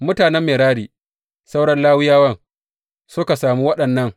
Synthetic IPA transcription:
mʊ˦taː˨nɛ˦mːeː˨ɽaː˦ɽiː˨ | sa˦wɽɐ˦nlaː˦wɪ˦jaː˦wɐ˦ŋ | sʊ˦ka˨saː˨mu˦wɐ˦ɗɐ˨nːɐ˦ŋ

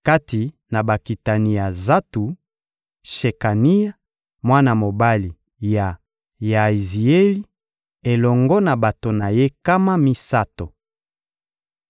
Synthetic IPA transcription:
ka˦ti˨ | na˨ba˨ki˨ta˨ni˨ja˨za˦tu˨ | ʃe˨ka˨ni˦ja˦ | mwa˦na˨mo˨ba˦li˨ | ja˨ | ja˨i˨zi˨e˦li˦ | e˨lɔ˨ŋɡɔ˦na˨ba˨to˨na˨je˦ka˦ma˦mi˦sa˦to˨

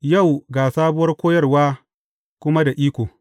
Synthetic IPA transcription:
ja˦˨wɡaː˨saː˦bʊ˦wɐ˦rkʷoː˦jɐ˦rwaː˦ | kʷʊ˦ma˦da˨ʔiː˦kʷoː˨

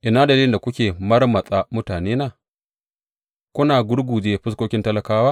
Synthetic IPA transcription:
ʔɪ˨naː˦dɐ˨iː˦lɪ˨nda˨kʷʊ˦kʲeː˨mɐ˦rmɐ˨sʼa˨mʊ˦taː˨neː˦naː˦˨ | kʷʊ˦naː˨ɡʷʊ˦ɽɡʷuː˨d͡ʒeː˦ɸʊ˦s̬kʷoː˦kʲɪ˦ntɐ˦lɐ˨kaː˦waː˦

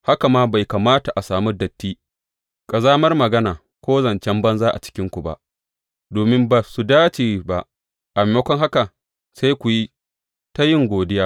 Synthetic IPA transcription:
ha˦ka˨maː˦ba˨jkɐ˨maː˦ta˨ʔa˨saː˨mu˦dɐ˨tːiː˦ | kʼɐ˨zaː˦mɐ˦rmɐ˨ɡɐ˦naː˨ | kʷoː˦zɐ˨nt͡ʃɛ˦mbɐ˦nzaː˦ʔa̰˨t͡ʃɪ̥˦kʲɪ˦ŋkʷu˨ba̰˨ʔ | doː˨mɪ˦mba˨su˨daː˦t͡ʃeː˨ba˨ʔ | ʔa˨me˨jɐ˦kʷɔ˦ŋɦa˦ka˨ | sa˦jkʷu˨ji˦ | ta˦jɪ˦˨ŋɡʷoː˨dɪ˦jaː˦

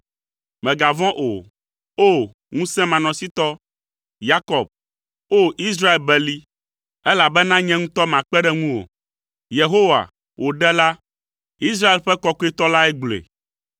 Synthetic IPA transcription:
mɛ̃˨ɡa˨vɔ̃˦ʔo˨ | o˦ | ŋũ˦sɛ̃˦mã˨nɔ̃˨si˦t̪ɔ˦ | ja˦kɔ˨b̚ | o˦ʔi˦s̬ɾa˦e˨lbɛ˨li˦ | ɛ˦la˨bɛ˦nã˦ɲɛ̃˦ŋũ˦t̪ɔ˦mã˨k͡pɛ˦ɖɛ˦ŋũ˦wo̰˨ | je˨ɦo˦wa̰˨ | wʔo˨ɖɛ˦la˦ | i˦s̬ɾa˦e˨lɸɛ˦kɔ˦ko˦e˦t̪ɔ˦la˦ɛ˦ɡ͡blḛ˨

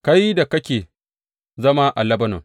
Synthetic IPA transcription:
ka˦ji˦da˨kɐ˦kʲeː˨ | zɐ˦ma˦ʔa˨lɐ˦bɐ˦nɔ̰˨ŋ

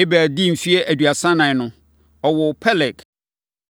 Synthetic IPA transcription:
ɪ˦bæ˨di˦m̩˨fi˦e˦ʔæ˨dɥa˨sã˦nã˨nʊ̃˦ | ɔ˨wɔ˨pʰɛ˦lɛ˨k

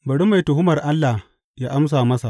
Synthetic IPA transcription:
bɐ˨ɽu˦mːa˨jtʊ˨ɦʊ˦mɐ˨rʔa˦lːa˨h | jaː˦ʔa˦ms̬aː˨mɐ˦sa˨ʔ

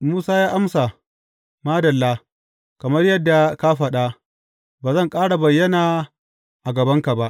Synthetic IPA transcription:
muː˦saː˦jaː˦ʔa˦msa˨ | maː˦dɐ˨lːaː˦ | kɐ˨mɐ˦rjɐ˦dːa˨ka˦ɸɐ˦ɗa˦ | baː˨zɐ˦˨ŋkʼaː˦ɽa˨bɐ˨jːɐ˦naː˨ | ʔa˨ɡɐ˨bɐ˦ŋka˨ba˦ʔ

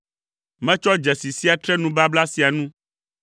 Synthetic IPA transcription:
mɛ̃˦t͡ʃɔ˦d͡ʒɛ˨si˨si˦a˨t̪ɾɛ˦nũ˨ba˦bla˦si˨a˨nũ˦

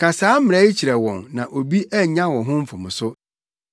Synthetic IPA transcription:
kʰa˨saː˨˦m˨ɾɛ˦i˦t͡ɕʰi˨ɾɛ˨wɔ̃˨nnã˨ʔo˨bi˦ʔɛ˦˨ɲã˦wɔ̃˨ɦʊ̃˦m̩˦fʊ˨mʊ̃˨sʊ˦

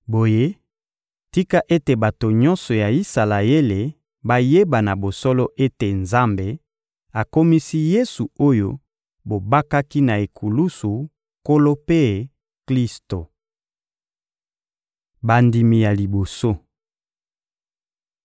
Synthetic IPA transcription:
bo˨je˦ | ti˦ka˦ʔe˦te˨ba˨to˨ɲɔ̃˦nsɔ˨ja˨i˦sa˨la˨e˦le˨ | ba˦je˦ba˨na˨bo˨sɔ˦lɔ˦ʔe˦te˨nza˦mbe˨ | a˨ko˦mi˦si˦je˦su˨o˦jo˦ | bo˨ba˦ka˦ki˦na˨e˨kʰu˨lu˦su˨ | ko˦lo˦pe˦ | kli˦sto˨ | ba˨ndi˨mi˨ja˨li˨bo˨so˦

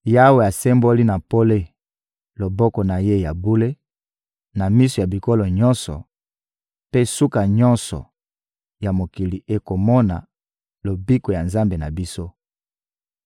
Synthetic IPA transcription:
ja˦we˨ja˨se˦mbo˦li˦na˨po˦le˦ | lo˨bɔ˦kɔ˨na˨je˦ja˨bu˦le˦ | na˨mi˦so˨ja˨bi˨ko˦lo˨ɲɔ˦nsɔ̰˨ | pe˦su˦ka˨ɲɔ̃˦nsɔ̰˨ | ja˨mo˨ki˨li˨ʔe˦ko˨mɔ˦na̰˨ | lo˨bi˦ko˨ja˨nza˦mbe˨na˨bi˦so˦

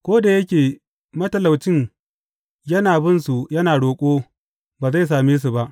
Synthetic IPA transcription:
kʷoː˦da˨jɐ˦kʲeː˨ | mɐ˦tɐ˨la˨wt͡ʃɪ˦ŋ | jɐ˦naː˨bɪ˦nsu˨jɐ˦naː˨ɽoː˨kʷʼoː˦ | baː˨za˦˨s̬aː˨meː˦s̬u˨ba˦ʔ

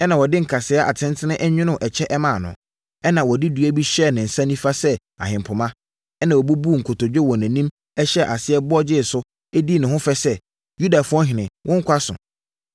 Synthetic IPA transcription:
ɛ˦nã˨wɔ˨dɪ˦ŋ̩˨kʰa˨sɪ˨˦a˦ʔa̰˨tʰɪ̃˦ntʰɪ˦nɪ̃˦ʔɛ˦ɲᶣɪ̃˦nʊ̃˦˨ʔɛ˨t͡ɕʰɛ˦ʔɛ˦mã˨nʊ̰̃˨ | ɛ˦nã˨wɔ˨di˦dɥæ˦bi˦ɕɛ˦˨nɪ̃˨n̩˨sã˦nĩ˦fa˦sɛ˦ | a̰˨ɦɪ̃˨m˨pʰʊ˨mã˦ | ɛ˦nã˨wɔ˨bu˦bu˦˨ŋ̩˨kʰʊ˨to˨d͡ʑᶣɛ˦wɔ˨næ̃˨nĩ˦m | ɛ˦ɕɛ˦˨ʔa˨sɪ˦ɛ˦bʊ˦ɔ˦d͡ʑɪ˦˨sʊ˦ | ɛ˦di˦˨nʊ̃˨hʊ̃˦fɛ˦sɛ˦ | ju˦da˨fʊ˦ɔ̃˦ɦɪ̃˨nɪ̃˨wʔɔ̃˦ŋ̩˦kʰʷa˦sʊ̰̃˨

